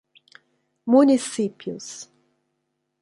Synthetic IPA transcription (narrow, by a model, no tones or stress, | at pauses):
munisipjʊ̰s